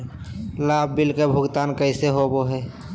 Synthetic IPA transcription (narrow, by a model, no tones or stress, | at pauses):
laːbbilkebʱʊɡt̪aːnkəɪseɦoboɦɛː